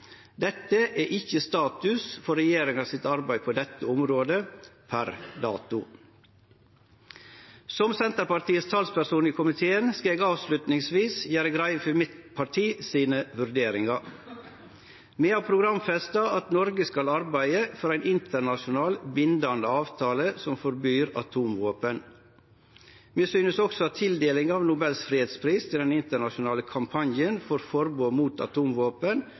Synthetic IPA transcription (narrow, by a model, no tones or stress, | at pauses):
d̪ɛt̪ːəʔæːʔɪçəst̪ɑːt̪ʉsfɔɾɛjeːɾɪŋɑsɪt̪ɑɾbæɪpʰoːd̪ɛt̪ʰːəɔmɾoːd̪əpʰæɾd̪ɑːt̪ʊ | sɔmsɛnt̪əɾpɑɾʈ̪iːəst̪ʰɑlspæɾsuːniːkʰʊmɪt̪ʰeːənskɑeːɡɑːʋslʉt̪nɪŋsʋiːsjæːɾəɡɾæɪfɪmɪt̪pʰɑʈʰiːsiːnəʋʉɾd̪eːɾɪŋɑ | meːhɑːpʰɾʊɡɾɑmfɛst̪ɑʔɑt̪nɔɾɡəskɑlɑɾbæɪəfɔɾæɪnɪnt̪ʰəɳɑʃʊnɑːlbɪnd̪ɑnd̪əɑːʋt̪ʰɑːləsɔmfɔɾbyːɾɑ̰t̪ʰuːmʋoːpən | meːsyːnəsɔksɔɑt̪ʰɪld̪eːlɪŋɑːʋnʊbɛlsfɾiheːt̪spʰɾiːst̪ʰɪlɛnɪnt̪əɳɑʃʊnɑːləkʰɑmpʰɑnjənfɔɾfɔɾboːmuːt̪ɑ̰t̪ʰuːmʋoːpən